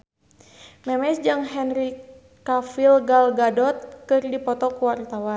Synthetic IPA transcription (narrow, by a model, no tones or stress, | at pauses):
mɛmɛsd͡ʒɨŋɦɛnɾi | kafilɡalɡadɔt̪̚kɨrdipɔt̪ɔkuwart̪awan